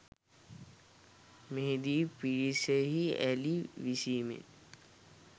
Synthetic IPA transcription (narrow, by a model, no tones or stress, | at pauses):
meɦed̪iːpiɾisəɦiɛ̰liʋisiːmḛn